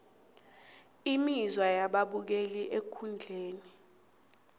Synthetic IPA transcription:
imizwajaɓaɓuk̬eliʔekʰund͡ɮʱeːni

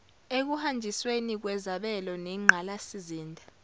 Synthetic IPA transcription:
ek̬uhand͡ʒʱiswenik̬wɛzaɓɛlɔnɛŋ͡ǃʱalasiziːndʱa

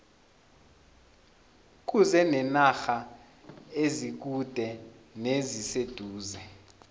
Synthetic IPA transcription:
k̬uzɛnɛnaxa | ezik̬ud̥ʱɛnezised̥ʱuːzɛ

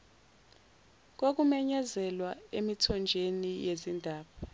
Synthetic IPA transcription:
k̬ok̬umɛɲɛzɛlwaemitʰɔnd͡ʒʱenijezindʱaːɓa

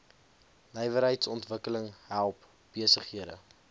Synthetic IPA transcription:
nɛjvəɾɦəjtsɔntvəkələŋɦælˠp | b̥iəsəχɦiədə̰

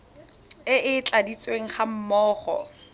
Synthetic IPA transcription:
ɪʔɪt͡ɬʼadit͡sʼweŋ̩χam̩mɔːχɔ̰

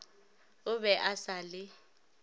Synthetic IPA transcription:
ʊβɛʔasalɪ

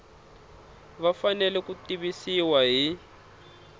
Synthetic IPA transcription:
βafanɛlɛkutiβisiwaɦi

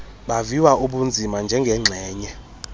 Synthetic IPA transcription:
ɓaviwaʔuɓund͡zʱimand͡ʒʱɛŋɡʱɛŋ͡ǁʱɛːɲɛ

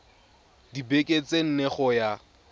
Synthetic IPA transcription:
dibekʼet͡sen̩neχɔja

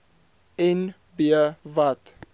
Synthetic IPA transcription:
ɛn | biəvat̪

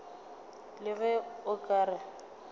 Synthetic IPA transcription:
lɪɣɛʊkʼaːɾa

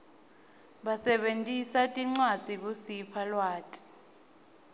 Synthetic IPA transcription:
ɓasɛɓentʼisatʼiŋ͡ǀwad̥d͡z̥ʱik̬usipʰalwaːtʼi̥

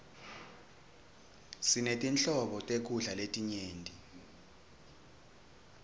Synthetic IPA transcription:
sinetʼint͡ɬɔɓɔtʼek̬uɮaletʼiɲeːntʼi

